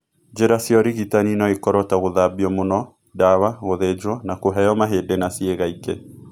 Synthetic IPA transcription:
d͡ʒeɾasjɔɾiɣitaninɔikɔɾɔtaɣoðabiɔmonɔ | dawaɣoðɛd͡ʒwɔnakoɦɛjɔmaɦedɛnasieɣaiɡe

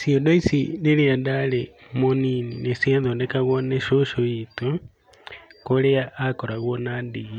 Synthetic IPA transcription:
siɔndoisineɾiandaɾemonininesianðondɛkaɣɔneʃoʃoito | koɾeaʔːkɔɾaɣwɔnandiɣi

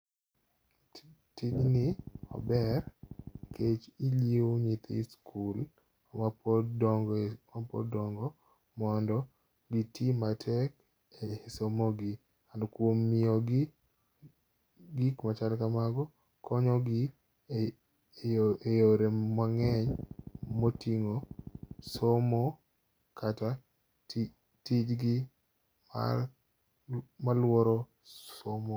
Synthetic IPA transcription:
tiɲnɪɔ̰bɛrkʰet͡ʃiljewoɲit̪skʰul | mapdŋɡmapɔ̰dɔŋɡɔ | mɔndɔ | ɡitʰimatʰɛk | esomoɡɪ | andɔkwomːɪɔɡ | ɡikmat͡ʃalkamaɡɔ | kʰɔɲɔɡɪ | ejoɾemwaŋɛɲmotiŋo | somo | kʰata | tid͡ʒɡɪ | ma̰ | malwɔɾɔ | omo

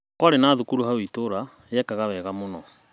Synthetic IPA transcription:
kwaɾenaːðukuɾuɦawitoɾa | ejɛkaɣawɛɣamonɔ

